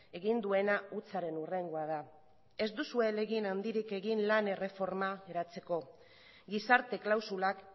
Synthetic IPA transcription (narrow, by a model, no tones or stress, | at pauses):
e̞ɣind̪ue̞naut͡saɾe̞nure̞ŋɡoað̞a | e̞zd̪usue̞le̞ɣinand̪iɾike̞ɣinlane̞re̞fo̞ɾmaɣe̞ɾat͡se̞ko̞ | ɡisaɾt̪e̞klawsulak